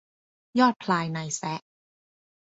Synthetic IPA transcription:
jɔː˥˩t̪̚pʰlaː˧jna˧jsɛ˦˥ʔ

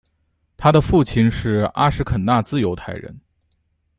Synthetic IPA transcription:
t̪ʰa˥d̪ə˨fu˥˩t͡ɕʰi˧nʂɻ̩˥˩a̰˥ʂɻ̩˧˥kʰə˨˩nna˥˧t͡sɹ̩˥˩jo˧˥ʊt̪ʰa˥˩ɪɻə̰˧˥n

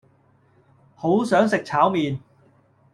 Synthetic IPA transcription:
ho˨˥wsœː˨˥ŋsɪ˨k̚t͡sʰaː˨˥wmiː˨n

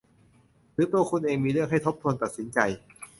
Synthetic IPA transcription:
ɾɯː˨˦˥t̪u˧əkʰu˧nʔeː˧ŋmiː˧ɾɯ˥˩əŋ̚ɦa˥˩jt̪ʰo˦˥p̚t̪ʰu˧nt̪a˨˩t̪̚si˩˦nt͡ɕa˧j

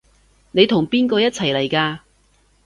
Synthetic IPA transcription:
ne˨˧jt̪ʰʊ˨˩ŋpiː˥nkɔː˧jɐ˥t̚t͡sʰɐ˨˩jlɐ˨˩jkaː˧

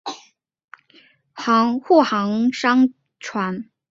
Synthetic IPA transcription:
xɑ˧˥ŋxu˥˩xɑ˧˥ŋʂɑ˥ŋ | ʈ͡ʂʰwa˧˥n

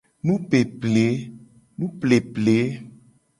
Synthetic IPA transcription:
nũ˦pe˨ple˨˦ | nũ˦ple˨ple˨˦

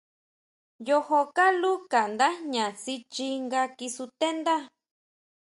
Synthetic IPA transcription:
jo˧ho˧ka˦lu˦ka˨nd̪a˦ɲã˨si˧t͡ʃi˧ŋɡa˧ki˧su˧t̪e˦nd̪a˦

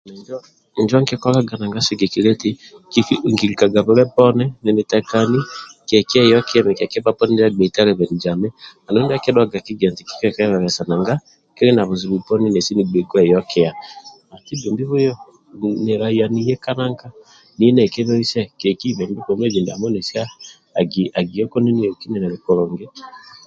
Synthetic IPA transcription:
nɛ˨ɲd͡ʒɔ˦˨ | ɲd͡ʒɔ˦ŋke˦kɔ˦la˦ɡa˨na˨ŋɡa˦se˦ɡe˨ki˨ɾɛ˦ti˦ki˦fi˦˨ŋki˨ɾi˨ka˨ɡa˨βo˦ɾɛ˦pɔ˦nɛ˦nɛ˨ne˨tɛ˨ka˨ni˦kɛ˨kɛ˦˨jɔ˦ke˦ɛ˦mɛ˨kɛ˨kɛ˦ba˦pɔ˦nɛ˦n˦a˦ɡ͡bɛ˨ta˦lɛ˨βɛ˨ni˨d͡ʒa˨mɛ˦a˨no˦nda˦ke˦dɔ˦ɡa˨ki˦ɡɛ˨nti˨ki̥˦kɛ˦˨ka˦ɛ˦βa˨βɛ˨sa˨na˨ŋɡa˦ | ke˦ɾe˦na˨βo˨zi˨βu˨pɔ˦ni˦nɛ˨si˦ni˨ɡ͡be˨ɡwɛ˦˨jɔ˦kɛ˦ja˨ | a˨ti˦be˨mbi˦βo˦jɔ˦ | ne˨ɾa˨i˨a˨ni˨jɛ˦ka˦na˦ŋka˦ | ni˨ɛ˦nɛ˨ke˦βɔ˦i˦sɛ˦kɛ˨ki˦βɛ˨mbi˦βɔ˨m˦ɛ˦d͡ʒi˨nda˨mo˦nɛ˨si˦aː˦˨ | ɡia˨ɡi˨ɔ˦kɔ˦ni˦ni˦jɔ˨ki˦nɛ˨nɛ˨ɾe˨kɔ˨ɾɔ˨ŋɡɛ˦

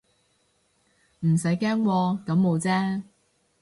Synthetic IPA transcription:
m̩˨˩sɐ˨˥jkɛː˥ŋwɔː˧kɐ˨˥mːo˨˧wt͡sɛː˥

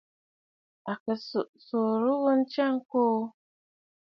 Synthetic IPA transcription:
a˨kə˨su˨ʔso˨ɾu˦ɣə˦n̩˦t͡ʃa˦ŋ˦koː˦

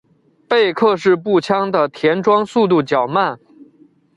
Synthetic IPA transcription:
pe˥˧ɪkʰɤ˥˧ʂɻ̩˥˧p̬u˥˩t͡ɕʰjɑ˥ŋd̪ə˨t̪ʰjɛ˧˥nʈ͡ʂwɑ˥ŋsu˥˧t̪u˥˩t͡ɕjɑ˨˩ʊma˥˩n

